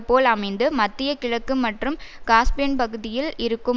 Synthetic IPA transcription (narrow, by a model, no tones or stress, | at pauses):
pːoːlɐmɐɪnd̪ɯmɐt̪ːɪjɐkɪɻɐkːɯmɐʈrɯmkaːspɪjɐnpɐɣɯðɪjɪlɪɾɯkːɯ